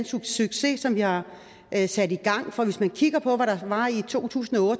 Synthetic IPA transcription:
nsuɡ̥syɡ̥se̝sɒ̽mʋihɑ̈ | sæd̥iɡ̥ɑ̈ŋ̰fɒ̽ʋe̝smænkʰiɡ̥ɐpʰɒ̽ʋæɾ̥ɑ̈ʋɑ̈it͡sʰo̝̰ːt͡sʰṵːsn̩ɒɔ̽ːd̥

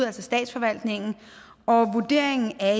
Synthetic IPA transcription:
ælsɒsd̥ɛ̰ːd̥sfɒ̽ʋæl̰d̥ne̝ŋn̩ | ɒ̽ʋud̥e̝̰ɐ̰e̝ŋn̩æ

